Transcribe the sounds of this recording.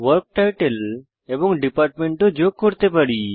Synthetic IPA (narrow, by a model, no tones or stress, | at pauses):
ʋəɾk̚ʈajʈel | ebɔŋɖipaɾʈmẽɳʈod͡ʒok̚kːoɾt̪epəɽi